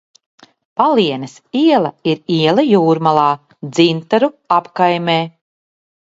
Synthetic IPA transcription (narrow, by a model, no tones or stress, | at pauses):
paliɛnɐsiɛlˠɐiɾiɛlˠɐjuːɾmalˠaː | d̪zint̪aɾuapkajmʲeː